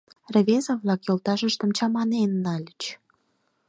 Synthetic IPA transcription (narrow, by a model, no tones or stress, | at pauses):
rə̆βʲezɑβlɑkjolt̪ɑʃəʃt̪ə̆mt͡ɕɑmɑnenːɑlʲət͡ɕ